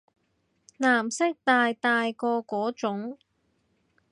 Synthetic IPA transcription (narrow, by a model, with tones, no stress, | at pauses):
naː˨˩msɪ˥k̚t̪aː˨jt̪aː˨˧jkɔː˧kɔː˨˥t͡ʃʊ˨˥ŋ